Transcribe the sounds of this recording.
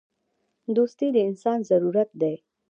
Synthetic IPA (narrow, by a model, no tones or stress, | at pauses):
d̪ust̪iːd̪insanzəɾuɾət̪̚d̪ɛ